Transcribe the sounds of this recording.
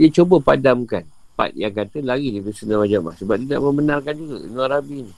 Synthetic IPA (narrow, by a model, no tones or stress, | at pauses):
diət͡ʃobəpadamkan | pa̰t̪̚jaŋkat̪əlaɡidibəsənawad͡ʒaʔla̰hsəbap̚t̪ida̰ʔmə̃mbənãrkand͡ʒuɡa̰nuaɾabinĩ